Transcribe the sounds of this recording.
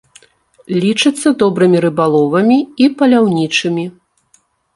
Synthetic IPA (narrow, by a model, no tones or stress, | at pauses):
lʲit͡ʂɨt̪sːɐd̪ɔbɾɨmʲiɾɨbalˠɔvɐmʲiipɐlʲawnʲit͡ʂɨmʲi